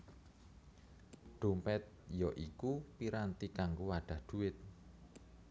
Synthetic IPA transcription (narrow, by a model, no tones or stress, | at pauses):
ɖ̪̥ompɛt̪̚jɔʔikupiɾant̪ikaŋɡowaɖ̥a̤hɖ̪̥ṳɪt̪̚